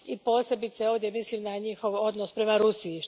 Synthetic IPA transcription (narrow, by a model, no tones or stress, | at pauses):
ipo̞ːse̞bit̪seo̞vd̪je̞mislimnaɲixo̞ʋo̞d̪nospɾe̞maɾusiː